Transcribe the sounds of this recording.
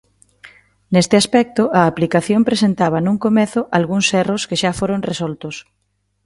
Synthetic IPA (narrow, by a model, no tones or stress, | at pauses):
nest̪ɪaspɛk̚t̪ʊʔɐːplikaθjompɾesent̪aβ̞ɐnũŋkomeθʊʔalɣuŋsɛroskeʃafoɾoŋresɔlt̪ʊs